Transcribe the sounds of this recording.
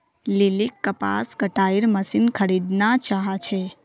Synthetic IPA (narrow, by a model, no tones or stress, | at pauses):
lilikːəpa̰sɡəʈaiɾməsinkʰəɾid̪nat͡ʃaɦat͡ʃʰe